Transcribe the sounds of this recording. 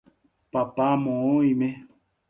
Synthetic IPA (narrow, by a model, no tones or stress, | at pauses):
papamɔ̃ːime